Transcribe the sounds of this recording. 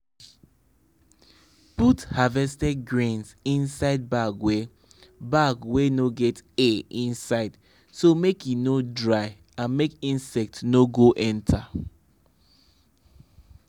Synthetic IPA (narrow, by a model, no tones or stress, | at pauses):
puthavɛstɛɡɹẽnsĩnsaɪd̚baɡwe | baɡwenoɡɛteĩnsaɪd̥ | somekjinodɹaɪ | ãnmekĩnsɛk̚tnoɡoʔɛ̃ntʰa